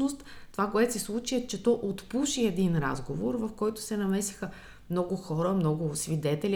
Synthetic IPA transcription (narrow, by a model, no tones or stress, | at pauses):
ost̪t̪ovakoɛt̪sɛslˠut͡ʃiət͡ʃɛt̪ɔʔot̪puʃiɛd̪inɾa̰zɡovoɾvɐfkɔjt̪ʊ̥sɛnɐmɛsi̥xə | mnɔɡʊxɔɾəmnɔɡʊsvid̪ɛt̪ɛlʲi